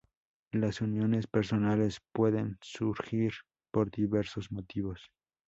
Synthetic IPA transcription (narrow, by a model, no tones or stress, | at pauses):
lasunjo̞ne̞speɾso̞nale̞spweðensuɾxiɾ | po̞ɾd̪iβe̞ɾsozmo̞t̪iβo̞s